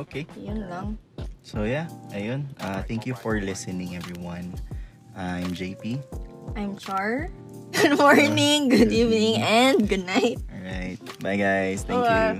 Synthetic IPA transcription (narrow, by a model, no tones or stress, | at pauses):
ʔokʰejʊnlaŋsojaʔɐjʊ̃nʔaθæ̃ŋkjufɔɹlɪsɛnɪ̃ŋɛvɹiwɐ̃n | ʔaãjmd͡ʒejpiʔajmt͡ʃaɹ | ɡʊd̪mɔɹnɪŋɡʊd̪ivnɪŋɛ̃nd̪̚ɡʊd̪̚naɪt̪̚ɹaɪt̪̚maɪɡajst̪ɛ̃ŋkja